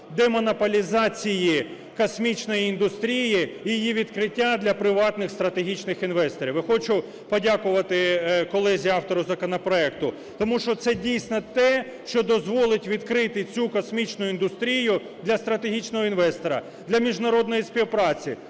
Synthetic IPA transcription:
d̪ɛmɔnɐpɔlʲizɑt͡sʲiji | kɔsmʲit͡ʃnɔjiːnd̪ʊst̪ɾʲijijjijiʋʲid̪kɾɪtʲːad̪lʲɐpɾɪʋɑt̪nɪxst̪ɾɐt̪eɦʲit͡ʃnɪxinʋɛst̪ɔɾʲiʋxɔt͡ʃʊ | pɔdʲakʊʋɐt̪ɪkɔlˠɛzʲiɑwt̪ɔɾʊzɐkɔnɐpɾɔɛkt̪ʊ | t̪ɔmuʃt͡ʃɔt̪sɛdʲijsʲnɔt̪ɛ | ʃt͡ʃɔd̪ɔzʋɔlˠɪtʲʋʲid̪kɾɪt̪ɪt͡sʲukɔsmʲit͡ʃnʊind̪ʊst̪ɾʲijʊ | d̪lʲɐst̪ɾɐt̪eɦʲit͡ʃnɔɦɔinʋɛst̪ɔɾɐ̰ | d̪lʲɐmʲiʒnɐɾɔd̪nɔjispʲiwpɾɑt͡sʲi

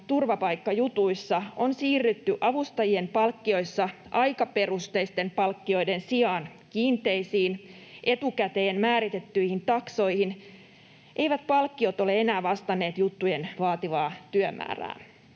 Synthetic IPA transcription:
t̪urʋɑpɑjkːɑjut̪uisːɑonsiːrːyt̪ːyʔɑʋust̪ɑjie̞mpɑlkːio̞jsːɑ | ʔɑjkɑpe̞rust̪ejst̪e̞mpɑlkːio̞jde̞nsiɑːnkiːnt̪e̞jsiːnʔe̞t̪ukæt̪eːnmæːɾit̪e̞t̪ːyihint̪ɑkso̞jhin | ʔeijʋæt̪pɑlkːio̞t̪o̞le̞e̞næːʋɑst̪ɑnːe̞ːt̪jut̪ːujenʋɑːt̪iʋɑːt̪yømʔæ̰ːræ̰ː

